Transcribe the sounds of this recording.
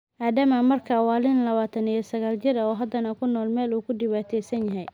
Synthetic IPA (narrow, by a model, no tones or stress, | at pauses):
ʔaːd̪ɐmamɐrkʰawaːlɪnlɐβaːt̪ʰɐnijɔsɐɣaːlt͡ʃɪɾɐɔːɦɐd̪ɐnɐkʰʊnːɔːlmɛːluːkʰʊdɪwaːt̪ʰɛːsɐnjɐɦɛj